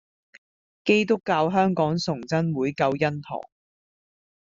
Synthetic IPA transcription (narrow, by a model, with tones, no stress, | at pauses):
ke˥jt̪ʊ˥kːaː˧wɦœː˥ŋkɔː˨˥ŋsʊ˨˩ŋt͡sɐ˥nwuː˨˥jkɐ˧wjɐ˥nt̪ʰɔ̰ː˨˩ŋ